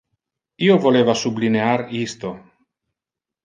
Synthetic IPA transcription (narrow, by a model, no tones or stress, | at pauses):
iːovoleːvasublineaɾist̪o